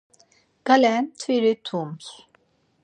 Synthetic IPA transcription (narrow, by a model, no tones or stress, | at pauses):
ɡ̥alɛnt̪ʰviɾit̪ʰums